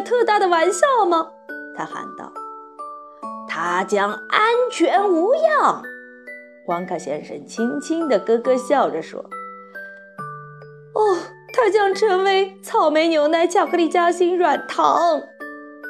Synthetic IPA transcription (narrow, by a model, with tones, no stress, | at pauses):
t̪ʰɤ˥˧t̪a˥˩d̪ə˩wa˧˥nɕjɑ˥˩ʊmɐ˨ | t̪ʰa˥xa̰˧˥nt̪ɑ̰˥˩ʊ | t̪ʰa˥t͡ɕjɑ˥ŋa˥nt͡ɕʰɥɛ˧˥nu˧˥jɑ˥˩ŋ | kwa˧˥ŋkʰa˥˩ɕjɛ̰˥nʂə̰˨˩nt͡ɕʰi˥ŋt͡ɕʰi˥ŋd̪ə˨kɤ˥kɤ˥ɕjɑ˥˩ʊʈ͡ʂə˩ʂwɔ̰˥ | ɔ˥˩ | t̪ʰa˥t͡ɕjɑ˥ŋʈ͡ʂʰə˧˥ŋwe˧˥ɪt͡sʰɑ˥˩ʊme˧˥ɪnjo˧˥ʊna˧˥ɪt͡ɕʰjɑ˥˩ʊkʰɤ˥li˥˩t͡ɕja˥ɕi˥nɻwa˨˩nt̪ʰɑ˧˥ŋ